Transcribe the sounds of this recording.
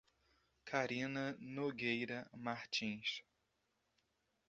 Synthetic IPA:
kʰaɾĩnɐnoɡejɾɐmaɾt͡ʃĩʃ

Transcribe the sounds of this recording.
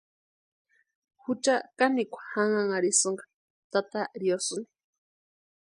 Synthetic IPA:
hut͡ʃakanikʷʰḁhaŋaŋaɾisuŋɡḁ | t̪at̪aɾiosuni̥

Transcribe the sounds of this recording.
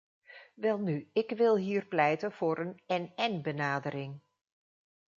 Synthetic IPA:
ʋɛlˠnyɪkʋɪlˠɦiːɹplɛjtənv̥ʊːɾʔənɛnɛnbənaːdəɾɪŋ

